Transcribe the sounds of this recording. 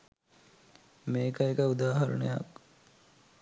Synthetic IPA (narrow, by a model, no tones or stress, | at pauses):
meːkəekəud̪aːɦɐɾə̰nəja̰k